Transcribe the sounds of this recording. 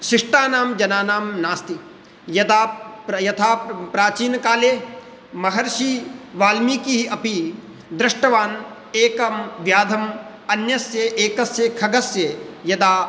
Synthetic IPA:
ʃiʂʈaːnaːmd͡ʒɐnaːnaːmnaːst̪i | jɐd̪aːɐjɐt̪ʰaːpɾaːt͡ʃiːnkaːleː | mɐɦɐɾʃiʋaːlmiːkiɦiʔɐpi | d̪ɾɐʂʈɐʋaːn | eːkɐmʋjaːd̪ʱɐm | ɐnjɐsjeʔeːkɐsjɐkʰɐɡɐsjejɐd̪aː

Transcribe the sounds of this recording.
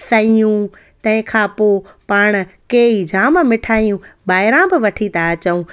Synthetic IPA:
sɐijũ | t̪ɐ̃ɦɪ̃kʰãːpoː | paːɽ̃keːid͡ʑʱãːmmɪʈʰaːijũbaːɪɾãbɪʋɐʈʰit̪aɐt͡ɕəũ

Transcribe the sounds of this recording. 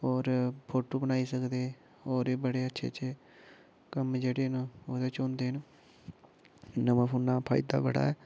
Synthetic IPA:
ɔːɾpʰoːʈoːbənaːiːsəkd̪eː | oːɾeːbəɽeːətːʃʰḛːət͡ʃe | kəmd͡ʒeːɽeːnoːd̪eːt͡ʃoːnd̪eːn | nəʋãːpʰuːnːaːpʰa̰ːɪd̪a̰ːbəɽa̰ːɛː

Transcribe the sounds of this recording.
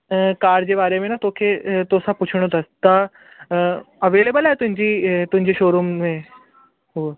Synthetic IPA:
kaːɖd͡ʑeʋaːɾemenat̪okʰet̪osaput͡ɕʰɽ̃ot̪əst̪a | əʋeːleːbəlaɦet̪ʊ̃ɦɪ̃ɲd͡ʑiːt̪ʊ̃ɦɪ̃ɲd͡ʑeɕoːɾummẽ | ɦu

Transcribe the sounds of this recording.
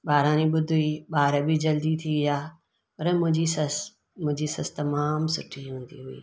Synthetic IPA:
ɓaːɾãːniɓʊd̪ʱuiɓaːɾbɪd͡ʑɐld̪it̪ʰiʋɪaː | pɐɾmʊ̃ɦɪ̃ɲd͡ʑisɐs | mʊ̃ɦɪ̃ɲd͡ʑisɐst̪ɐmaːmsʊʈʰiɦũːnd̪iɦʊḭː

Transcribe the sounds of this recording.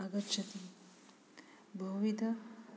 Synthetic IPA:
ɐɡɐtːʃʰɐt̪i | bʱɐɦʋit̪ɐ

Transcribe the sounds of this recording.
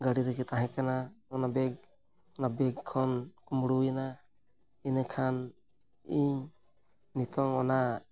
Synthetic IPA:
ɡaɽiɾɛkit̪aɦɛ̃kanaɔnabɛɡ̚ | ɔnabɛɡkʰɔnkumɽujana | inəkʰan | iɲː | it̪ɔŋɔna

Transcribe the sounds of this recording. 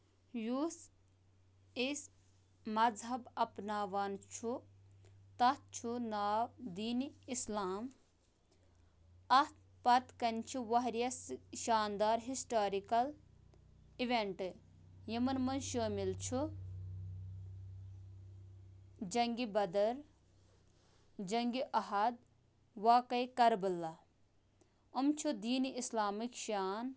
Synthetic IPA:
juːs | is | mɐzɦɐbɐpnaːʋant͡ʃʰu | t̪ɐt͡ʃʰunaːwd̪iːniislaːm | ɐt̪ | pɐt̪kɐnʲt͡ʃʰuʋɐɦɾijɐsʃaːnd̪aːɾɦisʈaːɾikɐl | iʋeɳʈɨ | jɐmɐnmɐnʃoːmilt͡ʃʰu | d͡ʒɐŋɡibɐd̪ɐɾ | d͡ʒɐŋɡiʔɐɦɐd̪̚ | ʋaːkɐjkɐɾbɨlːɐ | ɐmt͡ʃʰud̪iːniislaːmikʃaːn

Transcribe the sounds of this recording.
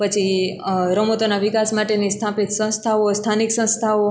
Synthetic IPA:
pət͡ʃʰiɾəmot̪onaʋikasmaʈenist̪ʰapit̪sə̃st̪ʰaost̪ʰaniksə̃st̪ʰao

